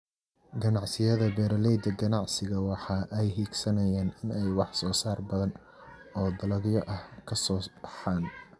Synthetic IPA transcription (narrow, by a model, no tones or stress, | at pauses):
ɡɐnɑʕsɪjɐðɐbɛːɾɐlɛjd̪ɐɡɐnɑʕsɪɣɐwɑħɑːʔɛjɦiːɡsɐnɐjaːnɪnɛjwɑħsɔːsaːrbɐðɐn | ɔːd̪ɐlɐɡjɔʔɐhkʰɐsɔːb̥ɑħɑːn